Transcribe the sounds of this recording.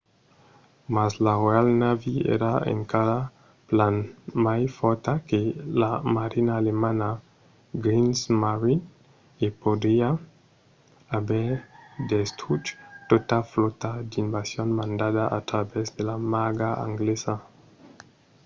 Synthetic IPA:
maslarealnaviḛɾaḛŋkaɾa | planmajfoɾt̪akelamaɾinaːlemana | ɡɾinsmaɾi | epod̪ia | abed̪est̪ut͡ʃt̪ot̪aflot̪ad̪inbasjonmand̪adaat̪ɾabezd̪elamaɡaa̰ŋɡlesa

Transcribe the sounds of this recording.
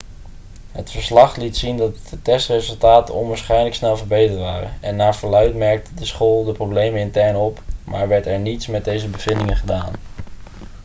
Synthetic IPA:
ɦətfəɹslɑχlitsindɑtdətɛstrezɵlˠtaːtə̰nɔnʋaːɹsχɛjnləksnɛlˠvəɹbejtətʋaːrə̰nɛnːaːɹvəlœɥtmɛɹk̚tədəsχoːlˠdəprowblejmənɪntɛɹnɔpma̰ːɹʋɛɹtɛɹnitsmɛd̚dejzəbəv̥ɪndɪŋənχədaːn

